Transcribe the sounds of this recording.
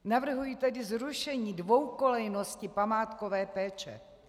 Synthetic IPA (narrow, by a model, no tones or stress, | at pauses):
navr̩ɦujit̪ɛdɪzɾuʃɛɲiːdvowkolɛjno̞scɪpamaːt̪ko̞vɛːpɛːt͡ʃɛ̰